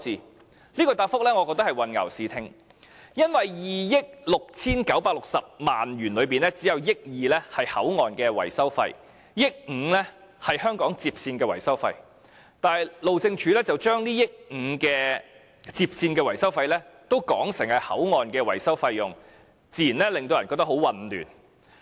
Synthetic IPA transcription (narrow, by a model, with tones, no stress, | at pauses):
siː˨ | liː˥kɔː˧t̪aː˧˥fʊ˥k̚lɛː˥ŋɔː˨˧kɔː˧k̚t̪ɐ˥khɐ˨jwɐ˨nŋɐ̰˨˩wsiː˨˧t̪ʰɪ˧ŋ | jɐ˥nwɐ˨jjiː˨jɪ˥k̚lʊ˨k̚t͡sʰiː˥nkɐ˨˥wpaː˧k̚lʊ˨k̚sɐ˨p̚maː˨njyː˨˩nlɵ˨˧ɥpiː˨nlɛː˥t͡siː˨˥jɐ˨˧wjɪ˥k̚jiː˨lɛː˥hɐ˨jhɐ˨˥wŋɔː˨nkɛː˧wɐ̰˨˩jsɐ˥wfɐ̰˧j | jɪ˥k̚ŋ̩ː˨˧˥lɛː˥ | hɐ˨jhœː˥ŋkɔː˨˥ŋt͡siː˧p̚siː˧nkɛː˧wɐ˨˩jsɐ˥wfɐ˧j | t̪aː˨jlo˨wt͡sɪ˧ŋt͡ʃʰyː˨˥lɛː˥t͡sɐ˨wt͡ʃœː˥ŋniː˥jɪ˥k̚ŋ̩˨˧kɛː˧ | t͡siː˧p̚siː˧nkɛː˧wɐ˨˩jsɐ˥wfɐ˧jlɛː˥t̪o˥wkɔː˨˥ŋsɪ˨˩ŋhɐ˨jhɐ̰˨˥wŋɔː˨nkɛː˧wɐ̰˨˩jsɐ˥wfɐ˧jːʊ˨˩ŋ | t͡siː˧jiː˨˩nlɛ˥lɪ˨ŋt̪o˧wjɐ˨˩kɔ˧k̚t̪ɐ˥ho˨˥wɐ˨nly̰ː˨˩n